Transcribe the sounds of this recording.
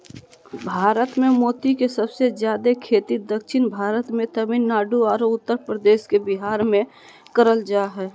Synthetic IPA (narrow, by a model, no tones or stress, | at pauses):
bʱaːɾət̪mẽmoːt̪ikesəbsezjaːd̪ekʰeːt̪id̪əkʃɪnbʱaːɾət̪mẽt̪əminːaːɖuaːɾoʊt̪ːəɾpɾəd̪eːskebɪɦaːɾmẽ | kəɾəld͡ʒaːɦɛː